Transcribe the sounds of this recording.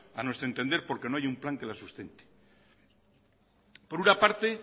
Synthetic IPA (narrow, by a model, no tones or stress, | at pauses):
anwe̞st̪ɾent̪e̞nd̪eɾpo̞ɾke̞no̞ajumplaŋke̞lasust̪e̞nt̪e̥ | po̞ɾunapaɾt̪e̞